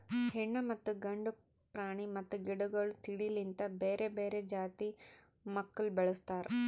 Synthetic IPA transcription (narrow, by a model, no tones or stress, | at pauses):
hiɳːɐmɐt̪ːuɡɐɳɖu | pɾaːɳimɐt̪ːuɡiɽuɡoɭut̪iɽilint̪ɐbeːɾeːbeːɾeːd͡ʒaːt̪i | mɐkːulbɐɭust̪aːɾu